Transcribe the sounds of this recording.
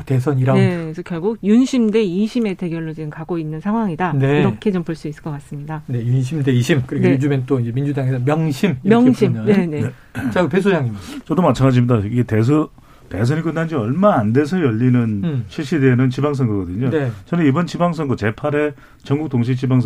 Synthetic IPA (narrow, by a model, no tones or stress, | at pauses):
te̞sʰʌɲiɾanesʰʌkjʌɭɡuɡ̚junɕʰimde̞iɕʰime̞te̞ɡjʌɭːod͡ʑinɯnkaɡoinːɯnsʰaŋɦwaŋidaneiɾʌkʰe̞t͡ɕompoɭs͈uisɯ̥k͈ʌk͈as͈ɯmɲidanejunɕʰimdeiɕʰimkɯɾiɡud͡ʑument͈oind͡ʑemind͡ʑudaŋesʰʌmjʌŋɕʰimimjʌŋʰinene | t͡ɕaɡɯpesʰojaŋit͡ɕʌdomat͡ɕʰaŋɡad͡ʑimɲidaiɡetesʰʌ | te̞s̬ʰʌnik͈ɯnːand͡ʑiʌɭmaːnde̞s̬ʰʌjʌʎːinɯnɕʰiɭɕ͈ideːnɯnt͡ɕibaŋs̬ʰʌŋɡʌɡʌdɯɲonet͡ɕʌnɯnibʌnt͡ɕibaŋs̬ʰʌŋɡʌt͡ɕepʰaɾe̞ | t͡ɕʌŋɡuk̚t͈oŋɕʰit͡ɕibaŋsʰ